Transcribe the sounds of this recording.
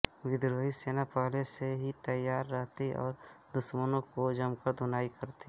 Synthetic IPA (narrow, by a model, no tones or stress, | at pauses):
wɪd̪ɾoːɦiseːnapaːɦleseɦit̪əjaːɾːəɦt̪iʔɔ̰ːɾd̪ʊʃmənõkod͡ʒəmkəɾd̪ʱʊnaːikəɾt̪i